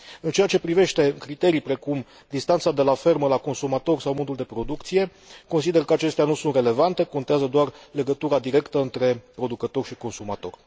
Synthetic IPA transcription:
ɨnt͡ʃe̞jat͡ʃe̞pɾive̞ʃt̪e̞kɾit̪e̞ɾijpɾe̞kum | d̪ist̪ant̪sad̪e̞lafe̞rməlako̞nsumat̪o̞rsawmo̞d̪uld̪epɾo̞d̪ukt̪sije̞ | ko̞ns̬id̪e̞rkəat͡ʃe̞st̪eanusunt̪re̞le̞vant̪e̞ko̞nt̪eazəd̪oarle̞ɡət̪uɾad̪iɾe̞kt̪əɨnt̪ɾe̞pɾo̞d̪ukət̪o̞rʃiko̞nsumat̪o̞̰rʲ

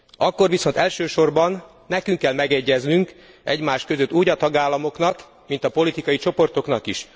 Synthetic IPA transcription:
ɒkːo̞rʋiso̞nt̪ɛlʃøːʃo̞rbɒnː | ɛkyŋkːɛlmɛɡɛɟːɛznyŋk | ʔɛɟmaːʃkø̞zøt̪ːuːɟɒt̪ɒɡaːlːɒmo̞knɒk | mint̪ɒpo̞lit̪ikɒjit͡ʃo̞po̞rt̪o̞kn̪ɒkiʃ

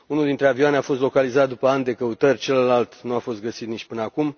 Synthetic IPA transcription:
unuld̪int̪ɾe̞avioaneafo̞st̪lo̞kalizat̪̚d̪upəand̪e̞kəut̪ərʲt͡ʃe̞ləlalt̪nuafo̞st̪ɡəsit̪nit͡ʃpɨnəakum

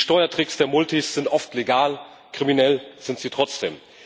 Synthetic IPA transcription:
ʃtɔʏɐtʁ̥ɪksd̥eːɐmʊltʰisz̥ɪntʔɔftleɡaːl | kʁ̥iminɛlz̥ɪntz̥iːtʁ̥ɔt͡sd̥ḛːm

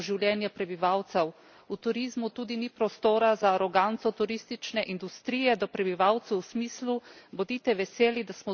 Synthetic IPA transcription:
ʒiwljɛnjapɾɛbiʋawt̪sɛw | ut̪uɾizmut̪uːd̪inipɾɔst̪oːɾazaːɾɔɡant̪sɔt̪uɾist̪it͡ʃnɛʔind̪ust̪ɾiːjɛd̪ɔpɾɛbiʋawt̪sɛwːsmiːslubɔd̪iːt̪ɛʋɛseːlid̪asmɔ

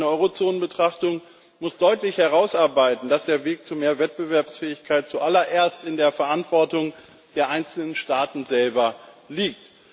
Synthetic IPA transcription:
nəʔɔʏʁot͡soːnənbətʁ̥aχtʊŋ | mʊsd̥ɔʏtlɪçhɛʁ̞aʊsʔaɐbaɪtn̩d̥asd̥eːɐveːk̚t͡sumeːɐvɛt̚b̥əvɛɐpsfɛːɪçkʰaɪt̚t͡suʔalɐʔeːɐstɪndeːɐfɛɐʔantv̥ɔɐtʊŋ | d̥eːɐʔaɪnt͡sl̩nənʃtaːtn̩zɛlbɐliːk̚t

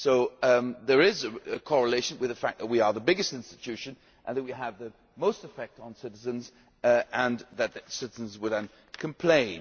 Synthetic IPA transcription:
soʊðə˞ɪzɨɨkʰɔɹəleɪʃə̃nwɨðəfæk̚ðət̚wiə˞ðəbɪɡɨstɪ̃nstɨtʰʉʃɨ̃n | ʔə̃nðɨt̚wiəvðɨ | moʊstɨfɛk̚tn̩sɪɾɨzɨ̃nz | ə̃nðɨt̪̚tsɪɾɨzə̃n̩zwədə̃n | kʰə̃mpʰl̥ẽɪ̃n

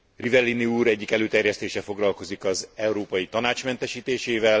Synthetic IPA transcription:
rivɛlːiniuːɾɛɟːikɛløːt̪ɛrjɛst̪eːʃɛfo̞ɡlɒlko̞zikɒzɛwuɾoːpɒjit̪ɒnaːt͡ʃmɛnt̪ɛʃiːt̪eːʃeːvɛl

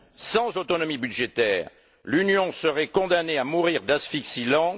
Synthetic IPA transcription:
sɑ̃zot̪ɔnɔmibyd̪ʒet̪ɛːʁ | lynjɔ̃səʁɛkɔ̃d̪aneamuʁiʁd̪asfiksilɑ̃

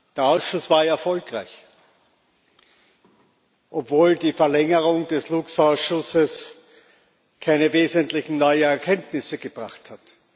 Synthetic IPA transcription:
d̥eːɐaʊsʃʊsv̥aːɐɛɐfɔlkʁaɪç | ʔɔpv̥oːldiːfɛɐlɛŋəʁʊŋdɛsluksaʊsʃʊsəs | kʰaɪnəveːzəntlɪçn̩nɔʏənɛɐkʰɛntnɪsəɡ̥əb̥ʁaχthat

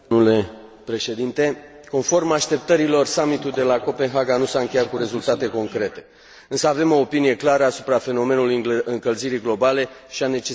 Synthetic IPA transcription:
ule̞ | pɾe̞ʃe̞d̪int̪e̞ | ko̞nfo̞rmaʃt̪e̞p̚t̪əɾilo̞rsamit̪uld̪e̞lako̞pe̞nɦaɡanusaɨŋkʲe̞jat̪̚kuɾe̞zult̪at̪e̞ko̞ŋkɾe̞t̪e̞̥ | ɨnsəave̞mo̞ːpinije̞klaɾəasupɾafe̞no̞me̞nulujɨŋkəlziɾijɡlo̞bale̞ʃiane̞t͡ʃe

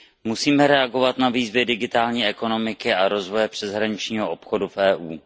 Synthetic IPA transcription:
musiːmɛɾɛaɡo̞vat̪naviːzvjɛdɪɡɪt̪aːlɲiːʔɛko̞no̞mɪkɪʔaɾo̞zvo̞jɛpr̥ɛzɦɾaɲɪt͡ʃɲiːɦoʔopxo̞dufʔɛːʔuː

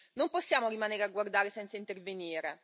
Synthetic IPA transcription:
nomposːjaːmoɾimaneːɾeaɡward̪aːɾesɛnt̪saint̪erveniːɾe

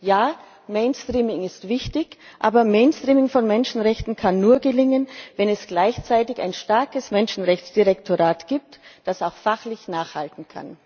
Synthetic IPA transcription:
jaː | meɪnstʁ̥iːmɪŋɪstv̥ɪçtɪçʔa̰ːbɐmeɪnstʁ̥iːmɪŋfɔnmɛnʃn̩ʁɛçtn̩kʰanːuːɐɡəlɪŋənvɛnɛsɡ̥laɪçt͡saɪtɪça̰ɪnʃtaɐkəsmɛnʃn̩ʁɛçt͡sd̥iʁɛktʰoʁaːtɡ̥iːp̚td̥asaʊxfaχlɪçnaːχhaltn̩kʰa̰n

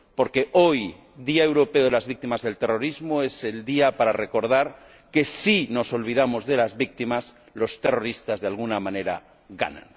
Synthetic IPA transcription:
po̞ɾke̞ʔoj | ðiae̞wɾo̞peoðelazβik̚t̪imazðe̞lt̪ero̞ɾizmoese̞ld̪iapaɾare̞ko̞ɾðaɾ | ke̞sino̞so̞lβ̞iðamozðe̞lazβik̚t̪imas | lo̞st̪e̞ro̞ɾist̪azðealɣunamãne̞ɾa̰ | ɣa̰na̰n

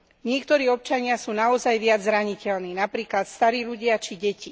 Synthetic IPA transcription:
ɲɪɛkt̪ɔɾiːɔp̚t͡ʃaɲɪasuːnaɔzajʋɪad͡zzɾaɲicɛlniːnapɾiːklat̪st̪aɾiːʎuɟɪat͡ʃiɟɛci

